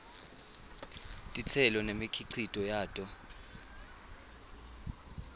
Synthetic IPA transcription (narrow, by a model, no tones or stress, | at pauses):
tʼit͡sʰɛlɔnemikʰiǀʰitʼɔjaːtʼɔ